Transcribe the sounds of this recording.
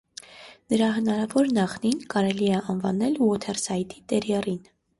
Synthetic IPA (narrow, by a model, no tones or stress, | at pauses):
nəɾɑɦənɑɾɑvɔɾnɑχninkɑɾɛliɛʔɑnvɑnɛlwɔt̪ʰɛrsɑjt̪it̪ɛɾjɛrin